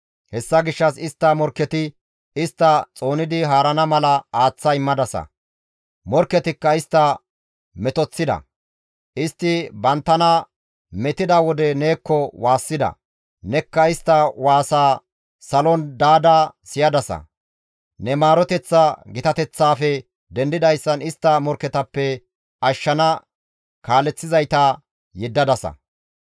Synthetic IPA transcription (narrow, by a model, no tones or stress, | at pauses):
hɛsːɐɡɪʃːɐsɪst̪ːɐmɔɾkːɛt̪ɪ | ɪst̪ːɐt͡sʼo̞ːnɪd̪ɪɦaːɾɐnɐmɐlɐaːt͡sːɐɪmːɐd̪ɐsɐ̰ | mɔɾkːɛt̪ɪkːɐɪst̪ːɐ | mɛt̪ɔt͡sːɪd̪ɐ̰ | ʔɪst̪ːɪbɐnt̪ːɐnɐ | mɛt̪ɪd̪ɐwɔd̪ɛne̞ːkːɔwaːsːɪd̪ɐ̰ | nɛkːɐɪst̪ːɐwaːsaː | sɐlɔnd̪aːd̪aːsɪjɐd̪ɐsɐ̰ | nɛmaːɾɔt̪ɛt͡sːɐɡɪt̪ɐt̪ɛt͡sːaːfɛ | d̪ɛnd̪ɪd̪ɐjsːɐnɪst̪ːɐmɔɾkːɛt̪ɐpːɛ | ʔɐʃːɐnɐ | kaːlɛt͡sːɪzɐjt̪ɐ | jɛd̪ːɐd̪ɐsɐ̰